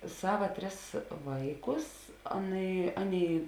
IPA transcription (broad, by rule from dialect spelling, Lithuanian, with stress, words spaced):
ˈsɑːʋɐ ˈtʲrʲɪs ˈʋɐɪˌkʊs ˈɑːˌnɐɪ ˈɑːˌnʲeːɪ